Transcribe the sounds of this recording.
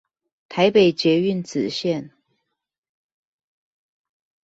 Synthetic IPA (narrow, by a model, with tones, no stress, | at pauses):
t̪ʰa˧˥ɪpe˨˩ɪt͡ɕɥɛ˧˥y˥˨nt͡sɹ̩˨˩ɕjɛ˥˨n